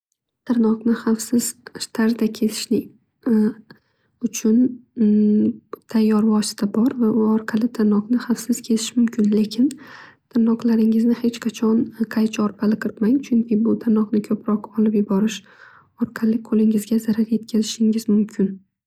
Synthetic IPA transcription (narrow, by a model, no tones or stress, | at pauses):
t̪ʰɪɾnɒqnɪχafsɪz̥ʃt̪ʰaɾd̪akʲʰe̞t̪ʰɪ̥ʃlɪ | ʊt͡ʃʰʊn | t̪ʰajːɒɾvɒsɪ̥t̪ʰabɒɾvaʔʊɒɾqʰɑlɪt̪ʰaɾnɒqnɪχafsɪz̥kʲʰe̞t̪ʰɪʃmʊmkʲʰɪnle̞kʲʰɪnt̪ʰaɾnɒqlˠaɾɪŋɪznɪhet͡ʃqʰɑt͡ʃʰɒnqʰajt͡ʃʰaɒɾpʰalɪqʰɨɾt̪maŋt͡ʃʰʊŋkʲʰɪbʊt̪ʰaɾnɒqnɪkʲʰɵpɾɒqɒlɪpjʊbɒɾɪʃ | ɒɾqʰɑlɪqʰolˠɪŋɪzɡʲazaɾaɾje̞t̪̚kʲʰazɪʃɪŋɪzmʊmkʲʰɪn